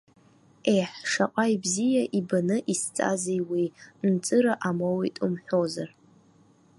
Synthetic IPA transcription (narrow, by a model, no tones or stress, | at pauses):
ejħʂaqʷʼajbzijaʔibanɨʔist͡sʼa̰zejwint͡sʼɨɾaʔamowitʼumħʷᶣo̞zar